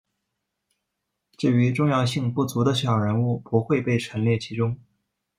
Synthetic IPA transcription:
ʈ͡ʂɻ̩˥˩y˧˥ʈ͡ʂʊ˥˧ŋjɑ˥˧ʊɕi˥˧ŋpu˥˩t͡su˧˥d̪ə˧ɕjɑ˨˩ʊɻə˧˥nu˥˩pu˧˥xwe˥˧ɪpe˥˩ɪʈ͡ʂʰə˧˥nljɛ˥˩t͡ɕʰi˧˥ʈ͡ʂʊ˥ŋ

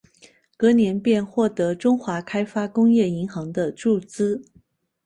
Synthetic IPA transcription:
kɤ˧˥njɛ˧˥npjɛ˥˧nxwɔ˥˩t̪ɤ˧˥ʈ͡ʂʊ˥ŋxwa˧˥kʰa˥ɪfa˥kʊ˥ŋjɛ˥˩i˧˥ŋxɑ˧˥ŋd̪ə˧ʈ͡ʂu˥˩t͡sɹ̩˥

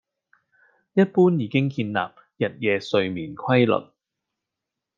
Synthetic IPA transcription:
jɐ˥t̚puː˥njiː˨kɪ˥ŋkiː˧nla̰ː˨p̚ | jɐ˨t̚jɛː˧sɵ˧ɥmiː˨˩nkʰwɐ˥jlɵ̰˨t̚

